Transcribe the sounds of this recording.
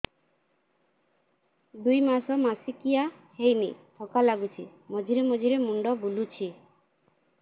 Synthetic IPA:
d̪ujmasɔmasikiahejnit̪ʰɔkalaɡut͡ʃʰimɔd͡ʒʱiɾemɔd͡ʒʱiɾemuɳɖɔbulut͡ʃʰi

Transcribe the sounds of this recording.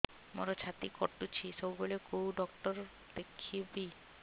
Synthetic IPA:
mo̰ɾot͡ɕʰat̪ikoɾt̪ut͡ɕʰisobbolekowɖɔk̚ʈɔɾ | d̪̥ekʰibi

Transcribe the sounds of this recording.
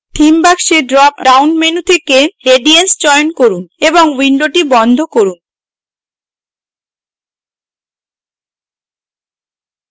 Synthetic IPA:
ʈʰimbakʃeɖɾɔpɾawnmenut̪ʰekeeɖiensd͡ʑɔejonkoɾuneboŋwiɳɖoʈibɔnd̪ʱokoɾun

